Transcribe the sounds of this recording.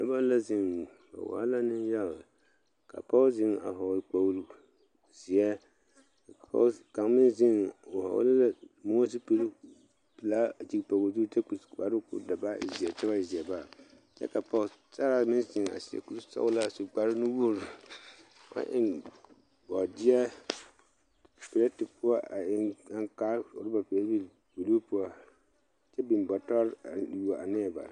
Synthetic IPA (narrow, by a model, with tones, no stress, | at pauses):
da˦ba˦la˦zɪ˦˨ŋ˨ | a̰˨wa̰ː˨˦la˦nɪ˦n˦ja˦˨ | ka̰˨pɔ˦zɪ˦ŋa̰˨ɦɔ˨lk͡pa˦wlu˦ | z̥i˨ɛ˦˨ | pɔ̰˦ka˨ŋmɪ˦nzɪ˦ŋo˨ha̰˨w̰lla˦mo˦si˦pi˦l | pi˨la˦d͡ʒi˦kpo˨ɣo˨zu˦te˦ku˨sk͡pa˨ɾɨ˦kʊ̰˨da˨ba̰˦˨zi˨ɛ˨tɛ˦ba˦˨zi˨ɛ˨ba˦˨ | t͡ʃɛ̰˦ka˨pɔ˨sa˦ɾa˨mɪ˦nsɪ˨ŋ˨a̰˨si˨ɛ̰˨ku˦ɾsɔ̰˦la˦˨su˨ɡ͡ba˨ɾʊ˦ni˦wu˦o˦ɾ | a̰˦ʔɪ̰˦n | ɔ˨dɪ˦ɛ˦ | pɛ˨la˦tɪ˨pʊ˦a˦ʔa˨ɪ˦ŋa˦ŋkaː˦ʊ̰˨ɾba˨pɛ˨la˦bi˦ | bi˨lu˦pʊ˦a˨ | t͡ʃɛ˦bi˨nbɔ˨ta˦ɾa˨u˨a˨a˨nɛ˦˨ba̰˨